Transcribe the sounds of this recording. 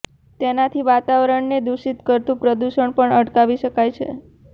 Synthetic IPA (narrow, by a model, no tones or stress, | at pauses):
t̪enat̪ʰiʋat̪aʋəɾəɳned̪uʃit̪kəɾt̪ũpɾəd̪uʃəɳpəɳəʈkaʋiʃəkajt͡ʃʰḛ